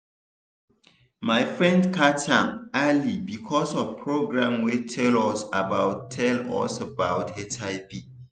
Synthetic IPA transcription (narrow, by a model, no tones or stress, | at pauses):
maɪfɹɛ̃ndkʰatʰãmalibikʰɔsɔvpʰɹoɡɹãmwetʰɛlɔsabawtʰɛlɔ̰sabaʊtʰɛtʰaɪbi